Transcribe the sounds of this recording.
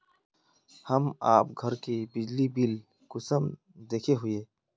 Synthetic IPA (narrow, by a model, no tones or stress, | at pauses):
hɐma̰ːpɡʱɐɾkibɪd͡ʒlibil | kʊsəm | d̪eːkʰeɦʊeː